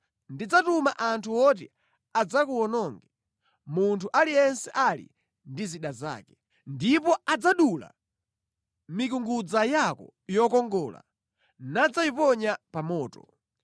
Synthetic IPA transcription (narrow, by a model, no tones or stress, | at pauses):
ndid͡zatumaʔantʰuwɔt̬i | ad͡zakuɔnɔŋɡɛ | muntʰuʔalijɛnsɛʔalḭ | ndiziɗaza̰ːkɛ | ndipɔad͡zaɗula̰ | mikuŋɡud͡zajakɔ̰jɔkɔŋɡɔːla̰ | nad͡zaipɔɲapamɔːtɔ